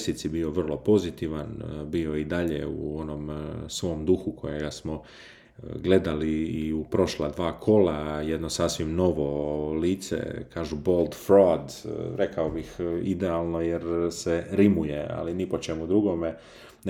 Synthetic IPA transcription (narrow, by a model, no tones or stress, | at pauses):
sit̪sibio̞ʋr̩lˠo̞po̞zit̪iʋanbio̞id̪aʎḛṵo̞no̞msʋo̞md̪uxukʰo̞jeɡasmo | ɡle̞d̪aliːupɾo̞ʃlad̪ʋaːkʰo̞lajed̪nosasʋimno̞ʋo̞liːt̪sḛkaːʒubo̞ld̪fɾoad̪ɾe̞kaobixid̪ealˠno̞jeɾseɾimujea̰linipo̞t͡ʃe̞mud̪ɾuɡo̞me